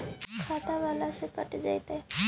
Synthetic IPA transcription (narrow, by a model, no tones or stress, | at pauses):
kʰat̪aʋalasekəʈid͡ʒajt̪ɛ